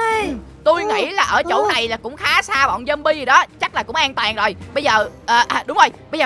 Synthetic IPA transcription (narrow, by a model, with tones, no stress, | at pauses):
t̪u˧jŋḭ˧˥laː˨˩ʔəː˧˩t͡ɕo̰˧˥na˨˩jlaː˨˩kʊ̰˧˥ŋ͡mxaː˨˦saː˧ɓɔ̰˧˨nzə˧mɓi˧zɨ˨˩ɗɔ˨˦t͡ɕa˦˥k̚laː˨˩kʊ̰˧˥ŋ͡mʔaː˧ŋt̪waː˨˩ŋzo˨˩jɓə˧jzəː˨˩ʔəː˨˩ʔːɗʊ˨˦ŋ͡mzo˧˩jɓə˧jzəː˨˩